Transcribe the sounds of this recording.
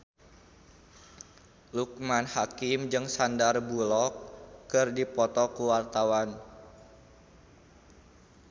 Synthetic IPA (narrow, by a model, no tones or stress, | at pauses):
luk̚manhakimd͡ʒɨŋsandarbulɔkːɨrdipɔt̪ɔkuwart̪awan